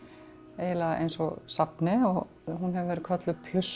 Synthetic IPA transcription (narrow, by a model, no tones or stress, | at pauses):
eːjɪlaʔḛjnsɔɣsapnɪɔɣ | ɦunɦɛvɪvɛɾɪ̥kʰœt̪lʏpʰlʏs